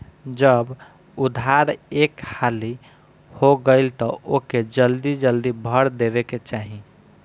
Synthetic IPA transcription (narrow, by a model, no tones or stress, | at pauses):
d͡ʒəb | ud̪ʱaɾekhali | hoɡəɪlt̪ɔʔoked͡ʒəld̪id͡ʒəld̪ibʱəɽd̪ebeket͡ʃaɦi